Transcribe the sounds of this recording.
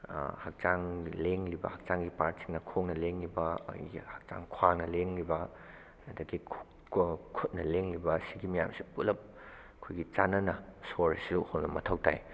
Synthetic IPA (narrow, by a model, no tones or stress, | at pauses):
hak̚t͡ʃaŋleŋlibɐ̰hɐk̚t͡ʃaŋɡipaɾtsiŋnɐkʰoŋnɐleŋlibɐ̰ihɐk̚t͡ʃa̰ŋkʰwaŋnɐleŋlibɐ | ɐdɐɡikʰ | kʰut̚nɐleŋlibɐsiɡimɐja̰msi̥pulɐp̚ | ɐkʰojɡit͡ʃanɐnɐsoɾsuhownɐmɐtʰɐwta̰j